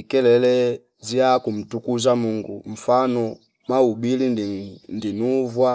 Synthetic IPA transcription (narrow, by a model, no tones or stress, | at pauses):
ikɛlɛlɛ | ziakum̩tukuzamuŋɡṵm̩fanɔ | maubilinndinuvwa